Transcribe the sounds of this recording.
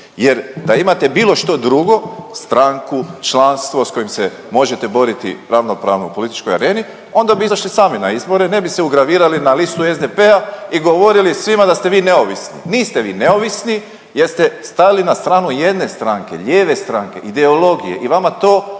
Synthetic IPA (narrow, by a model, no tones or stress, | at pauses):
jeɾd̪aimat̪e̞biːlo̞ʃt̪o̞d̪ɾuɡo̞st̪ɾaŋkut͡ʃlanst̪ʋo̞sko̞jimse | mo̞ʒet̪e̞bo̞ɾit̪ḭɾaʋno̞pɾa̰ːʋnopo̞lit̪i̥t͡ʃkoja̰ɾe̞ːni | o̞nd̪abiizaʃlisaːminaizbo̞ɾene̞biseuɡɾaʋiːɾalinalist̪uezd̪epeaiɡo̞ʋo̞ɾilisʋimad̪ast̪e̞ʋiːne̞oʋisnḭniːst̪eʋiːne̞o̞ʋisni | jeɾst̪est̪ajilinast̪ɾaːnuje̞d̪ne̞st̪ɾaŋke̞̰ʎeːʋe̞st̪ɾaŋke̞̰ʔid̪e̞olo̞ɡije̞̰ʔiʋamat̪o̞ː